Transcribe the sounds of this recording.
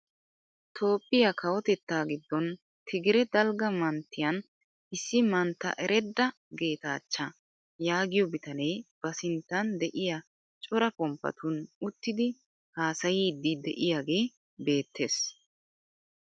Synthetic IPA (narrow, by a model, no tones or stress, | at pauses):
t̪ʰo̞ːpʼːɪjakʰɐwɔt̪ɛt̪ːaːɡɪd̪ːɔn | t̪ʰɪɡɪɾɛd̪ɐlɡɐmɐnt̪ːɪjɐn | ɪsːɪmɐnt̪ːɐ̰ʔɛɾʔɛd̪ːɐ | ɡe̞ːt̪aːt͡ʃːɐ | jaːɡɪjɔbɪt̪ɐnejb̥ɐsɪnt̪ːɐnd̪ɛʔɪjɐ | t͡ʃʼɔɾɐpʼɔmpːɐ̰t̪ʊnʊt̪ːɪd̪ɪ | haːsɐjiːd̪ːɪd̪ɛʔɪjaːɡe̞ː | be̞ːt̪ʰːe̞ːs